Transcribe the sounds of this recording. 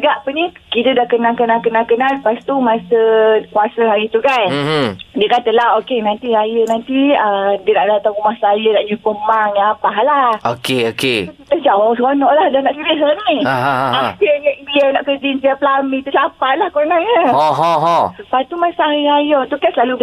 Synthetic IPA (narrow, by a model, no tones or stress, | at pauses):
ɡaʔpənikit̪ədahkənalkənalkənalkənalpast̪umasəkuasəɦaɾit̪ukandiəkat̪əlaɦokenãnt̪iɾajənant̪iədiənaʔdat̪aumahsajənaʔɲupəmaŋɲãapaɦlahokeokekit̪əd͡ʒaɔskonɔʔlahdanaʔsiləɦəniaɦakəɲəbianaʔkəd͡ʒinsiaplamĩt̪usapahlahkoɾnaɲəoɦoɦosəpast̪umasaaiajɔt̪ukansəlalu